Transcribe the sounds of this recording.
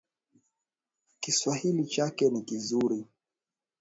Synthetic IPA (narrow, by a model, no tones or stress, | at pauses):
kiswahilit͡ʃakɛnikizuɾi